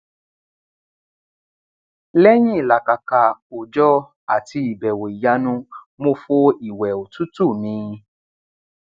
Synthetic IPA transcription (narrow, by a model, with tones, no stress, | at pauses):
lɛ˦j̃ĩ˦i˨la˨ka˨ka˨o˨d͡ʒɔ˦ | a˨ti˧i˨bɛ˨wo˨i˨ja˧nũ˧˦ | mo˧fo˧i˨wɛ˨o˨tu˦tu˦˨mĩ˧˦˧